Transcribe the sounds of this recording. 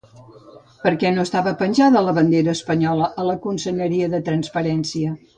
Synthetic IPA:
pəɾkɛnoəst̪aβəpənʲʒaðələβənd̪eɾəːspəɲɔləʔələkunsəʎəɾiəðət̪ɾənspəɾɛnsiə

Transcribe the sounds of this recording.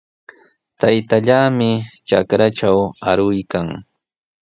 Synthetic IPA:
t̪ajt̪aʎaːmɪt͡ʃakɾaʈ͡ʂawaɾʊjkaŋ

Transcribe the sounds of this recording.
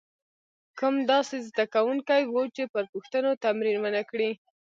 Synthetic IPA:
kəmd̪ɑsezd̪akawuŋkajwut͡ʃepəɾpʊxt̪ənot̪amɾinmənakɽi

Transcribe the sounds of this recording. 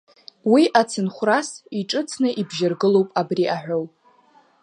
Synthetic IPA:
wiʔat͡sʰɨnχʷrasiʈ͡ʂʼɨt͡sʰnɨʔibʒɪrɡɨlo̞wpʼabriʔaħʷᶣowpʼ

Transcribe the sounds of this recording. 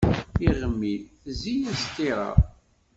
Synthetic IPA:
iʁəmːi | zijæst̪iɾˤɑ̰

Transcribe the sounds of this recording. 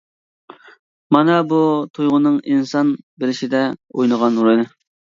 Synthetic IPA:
mɑnɑbut̪ʰujʁʊnɨŋinsɑnbeɾɪʃid̪ɛojnəʁɑnɾojnɨ

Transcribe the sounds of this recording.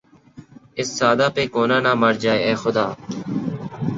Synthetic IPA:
ɪsːaːd̪aːpeːkoːnãːnãːməɾd͡ʒaːeːɛːxʊd̪aː

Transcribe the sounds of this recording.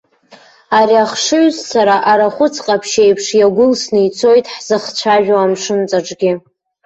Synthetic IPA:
ariaχʂɨɥzsaɾaʔaɾaχʷʊt͡sʰʼqʼapʰʃejpʰʂjaɡʷʊlsnɨjt͡sʰo̞jtʼħz̥ɨχt͡ɕʷʰaʒᶣaamʂɨnt͡sʼaʈ͡ʂʼɡʲɪ

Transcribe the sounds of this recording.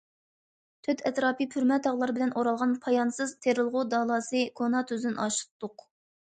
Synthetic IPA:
t̪ʰøt̪ʰɛt̪ɾɑːpipʰyɾmɛt̪ʰɑʁlˠɑɾbɪlɛnʔoɾɑlˠʁɑnpʰɑjɑnsɨzt̪ʰeɾɨlˠʁʊd̪ɑːlˠɑːsɨkʰonɑt̪ʰyzɪnʔɑʃɨ̥t̪ʰːʊq

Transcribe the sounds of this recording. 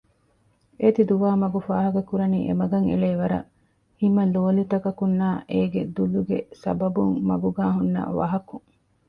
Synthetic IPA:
ʔet̪id̪uʋaːmɐɡufaːɦɐɡɐkuɾɐniːʔḛmɐɡɐŋḛɭeːʋɐɾɐ̰ | himɐloːlut̪ɐkɐkunːaːʔeːɡed̪uluɡḛsɐ̰bɐbuŋmɐɡuɡaːɦunːɐ̰ʋɐ̰ɦɐkuŋ

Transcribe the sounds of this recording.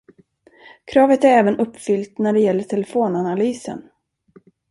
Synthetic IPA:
kʰɾɑːvət̪æɾɛːvənɵpːfʏlt̪næɖɛjɛlːəʈʰɛlɛfoːnanalyːsə̰n

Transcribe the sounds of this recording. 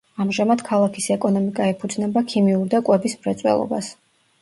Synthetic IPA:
amʒamad̪̥kʰalˠakʰisɛkʼɔnɔmikʼaɛpʰud̪znɛbakʰimiuɾd̪akʼwɛbismɾɛt̪sʼwɛ̰lˠɔ̰ba̰s

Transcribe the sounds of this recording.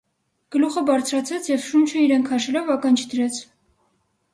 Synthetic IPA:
ɡ̥əluχəbɑɾt͡sʰɾɑt͡sʰɛt͡sʰjɛvʃunt͡ʃʰəiɾɛŋkʰɑʃɛlɔvɑkɑnt͡ʃʰd̪əɾɛt͡sʰ

